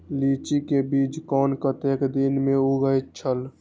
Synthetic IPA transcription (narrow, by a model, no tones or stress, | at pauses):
lit͡ʃikebid͡ʒkɔnkət̪ekd̪inmeuɡəjt̪̚t͡ʃʰəl